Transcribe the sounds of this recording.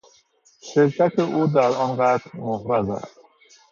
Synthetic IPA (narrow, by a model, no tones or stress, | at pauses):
ʃeɾcʰæt̪ʰeʔuːd̪æɾɒnɢæt̪ɾmohɾæzæ̰st̪